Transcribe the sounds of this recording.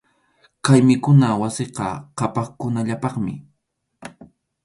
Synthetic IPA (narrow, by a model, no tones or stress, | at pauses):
kajmɪkʊnawasɪqɑ̰qɑpɑχkʊnaʎapɑχmɪ̰